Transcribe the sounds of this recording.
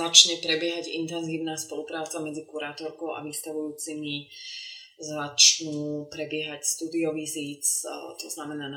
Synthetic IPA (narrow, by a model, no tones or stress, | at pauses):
at͡ʃɲɛpɾɛbɪɛɦaɟḭnt̪ɛnziːʊnaːspɔlupɾaːt͡samɛd͡zikuɾaːt̪ɔɾkɔʊʔa̰ʋist̪aʋujuːt͡simi | zat͡ʃnupɾɛbɪɛɦacst̪uːd̪iɔʋiziːt͡st̪ɔznamɛnaːn